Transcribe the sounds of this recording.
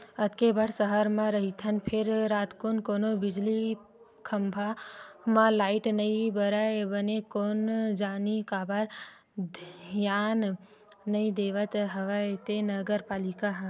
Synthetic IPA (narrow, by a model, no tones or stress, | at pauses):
ət̪kebəɽsəɦəɾmãɾəɦit̪ʰənpʰɪɾɾaːt̪koːnkoːnobɪd͡ʒli | kʰəmbʱamãlaːɪʈnəĩbəɾabənekoːnd͡ʒaːnikaːbaɾ | d̪ʱjaːnː | əĩd̪eːʋət̪ɦəʋat̪enəɡəɾpaːlikaɦ